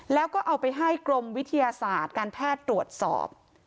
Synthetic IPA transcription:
lɛː˦˥wkɔː˥˩ʔa˧wpa˧jɦa˥˩jkɾo˧mwi˦˥t̪ʰːa˧jaː˧saː˨˩t̪̚kaː˧npʰɛː˥˩t̪ːɾu˨˩ət̪̚sɔ̰ː˨˩p̚

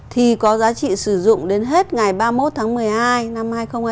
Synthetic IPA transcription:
t̪ʰi˨˩kɔ˨˦zaː˨˦t͡ɕḭ˧˨sɨ˧˩zʊ̰˧˨ŋ͡mɗe˨˦nɦe˦˥t̚ŋa˨˩jɓaː˧mo˦˥t̚t̪ʰaː˨˦ŋmɨ˨˩əjhaː˧jna˧mhaː˧jxə˧wŋ͡ma˧

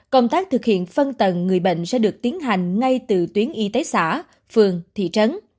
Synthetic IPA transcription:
kə˧wŋ͡mt̪aː˦˥k̚t̪ʰɨ˨˩k̚hḭ˧˨ənfə˧nt̪ə˨˩nŋɨ˨˩əjɓə̰˧˨ŋ̟sɛ̰˧˥ɗɨ˨˩ək̚t̪i˨˦ənɦa˨˩jŋ̟ŋa˧jt̪ɨ˨˩t̪wi˨˦ənʔi˧˦t̪e˨˦sa̰ː˧˥ | fɨ˨˩əŋt̪ʰḭ˧˨t͡ɕə˨˦n

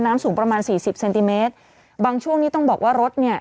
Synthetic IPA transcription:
nːaː˦˥msuː˩˦ŋpɾa˧maː˧nsiː˨˩si˨˩p̚se˧nt̪i˧meː˦˥t̪̚ | baː˧ŋt͡ɕʰu˥˩əŋniː˦˥t̪ɔ˥˩ŋbɔː˨˩k̚waː˥˩ɾo˦˥t̪̚ni˥˩ɐ

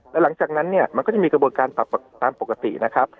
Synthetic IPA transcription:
lɛː˦˥la˨˩˦ŋt͡ɕaː˨˩k̚na˦˥nːi˥˩ɐma˧nkɔː˥˩t͡ɕa˨˩miː˧kɾa˧bu˧nkaː˧np̪a˨˩p̚a˨˩t̪aː˧mpo˨˩kːa˧t̪ḭ˨˩na˦˥kʰa˦˥p̚

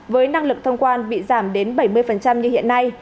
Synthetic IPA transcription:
vəː˨˦jna˧ŋlɨ˨˩k̚t̪ʰə˧wŋ͡mkwaː˧nɓḭ˧˨zaː˧˩mɗe˨˦nɓə˧˩jmɨ˧əjfə˨˩nt͡ɕa˧mɲɨ˧hḭ˧˨ənːa˧j

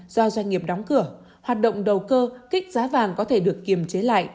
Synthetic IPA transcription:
z̥ɔ˧zwa˧jŋ̟ŋi˨˩əp̚ɗɔ˨˦wŋ͡mkɨ˧˩ə | hwaː˨˩t̚ɗə̰˧˨wŋ͡mɗə˨˩wkəː˧kï˦˥k̟̚zaː˨˦vaː˨˩nkɔ˨˦t̪ʰe˧˩ɗɨ˨˩əkːi˨˩əmt͡ɕe˨˦la̰ː˧˨jʔ

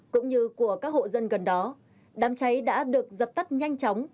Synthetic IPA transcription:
kʊ̰˧˥ŋ͡mɲɨ˧ku˧˩əkaː˦˥k̚ho̰˧˨zə˧nɣə˨˩nɗɔ˨˦ | ɗaː˨˦mt͡ɕa˨˦jɗa̰ː˧˥ɗɨ˨˩ək̚zə˨˩p̚t̪a˦˥k̚ɲa˧jŋ̟t͡ɕɔ˨˦wŋ͡m

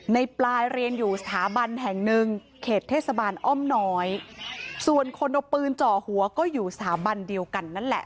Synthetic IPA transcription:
na˧jplaː˧jɾi˧ənjuː˨˩sḁt̪ʰaː˩˦ba˧nɦɛ˨˩ŋnɯ˧ŋ | kʰeː˨˩t̪ʰːeː˥˩t̪̚sa˧baː˧nʔɔ˥˩mnɔː˦˥jsu˨˩ənkʰo˧nʔo˧˩pːɯː˧nt͡ɕɔː˨˩hu˩˦ɐkɔː˥˩juː˨˩sḁt̪ʰaː˨˦ba˧ndi˧əwka˧nːa˦˥˩nlɛ̰˨˩ʔ

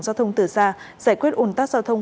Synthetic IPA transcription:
ŋzaː˧wt̪ʰə˧wŋ͡mt̪ɨ˨˩saː˧ | zaː˧˩jkwi˦˥ət̚ʔo˧˩nt̪aː˦˥zaː˧wt̪ʰə˧wŋ͡m

